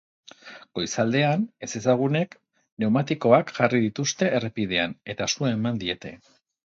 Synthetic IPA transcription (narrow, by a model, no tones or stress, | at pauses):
ɡ̥o̞jsald̪e̞ane̞se̞saɣ̞une̞k | ne̞wmat̪iko̞akʝarið̞it̪ust̪e̞ʔːrepið̞eane̞t̪asuemand̪ie̞t̪e̞̰